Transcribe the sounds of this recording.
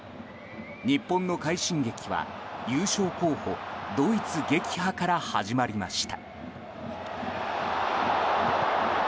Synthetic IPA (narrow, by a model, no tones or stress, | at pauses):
ɲ̟ipːõ̞nːo̞kaiɕĩŋɡe̞kʲiβa̰jɨːɕo̞ːko̞ːho̞̰d̪o̞it͡sɨɡe̞kʲi̥hakaɾahaʑimaɾʲimaɕi̥t̪a